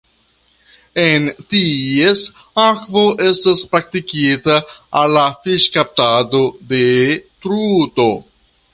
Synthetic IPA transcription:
entie̞s | akvo̞ʔe̞staspɾak̚tikitaːlːafiʃkap̚tado̞de̞tɾuto̞

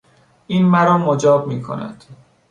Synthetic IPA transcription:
ʔiːnmæɾɒːmod͡ʒɒːbmiːkʰo̰næ̰d̪̥

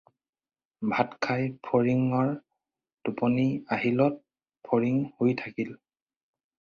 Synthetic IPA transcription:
bʱatkʰajpʰoɹiŋɔɹ | tupɔniaɦilɔt̚ | pʰoɹiŋhojtʰakil

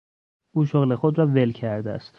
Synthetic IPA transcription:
ʔuːʃoɣle̞xod̪ɾɒːve̞lcʰæɾd̪eæ̰st̪

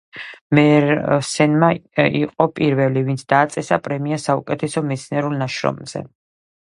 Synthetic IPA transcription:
mɛɾsɛnmaḭqʼɔpʼiɾvɛlivint̪sʰd̪̥aːt̪sʼɛsapʼɾɛmiasaukʼɛt̪ʰɛsɔmɛt̪sʰniɛɾulˠnaʃɾɔ̰mz̥ɛ̰

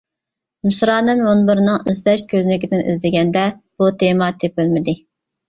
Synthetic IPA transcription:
musɾɑːnɨmjonbɨɾnɨŋizd̪ɛʃkʲʰøzlɪkʲɪd̪ɪnʔḭzd̪ɪɡʲɛnd̪ɛb̥ut̪ʰemɑt̪ʰepɪlmɪd̪ɪ

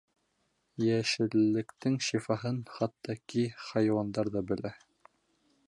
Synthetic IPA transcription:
jæʃɘ̆lːɘ̆kt̪ɘŋʃifɑɦɤnχɑt̪ːɑkiχɑjwɑnd̪ɑɾðɑbɘ̆læ

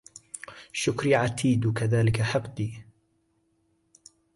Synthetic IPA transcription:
ʃʊkɾiʕat̪ʰiːd̪kaðaːlɪkaħɑbt̪ˤiː

